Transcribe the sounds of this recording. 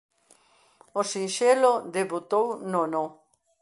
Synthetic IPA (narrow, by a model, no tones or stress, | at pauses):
osinʃelod̪eβut̪ownono